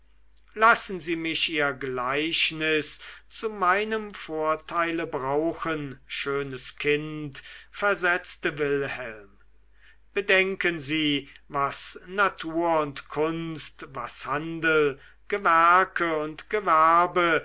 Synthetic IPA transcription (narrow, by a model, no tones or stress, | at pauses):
lasn̩ziːmɪʃiːɐɡlaɪʃnɪst͡sumaɪnəmfoːɐtʰaɪləbʁaʊxənʃøːnəskʰɪntfɛɐzɛt͡stəvɪlhɛlm | b̥ədɛŋkənziːvasnatʰuːɐʊntkʰʊnstvashandl̩ | ɡ̥əvæɐkʰəʊntɡ̥əvæɐbə